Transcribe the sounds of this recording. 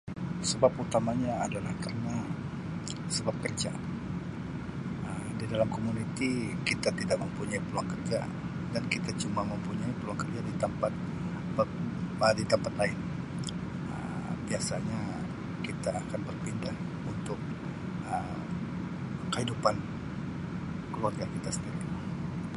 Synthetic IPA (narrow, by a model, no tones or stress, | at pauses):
səbaput̪amaɲaːdalahkarəna | səbap̚kərd͡ʒa̰ | əmdidalamkomunit̪ikit̪at̪idaʔ̚məmpuɲaipəluaŋkərd͡ʒa̰ | dankit̪at͡ʃumaməmpuɲaipəluaŋkərd͡ʒadit̪əmpat̪̚ | bəədit̪əmpat̪laɪn | ə̰mbiasaɲa | kit̪aːkanbərpindah | unt̪ʊk̚ | ə | əhidupan | kəluarɡakit̪asəndiɾi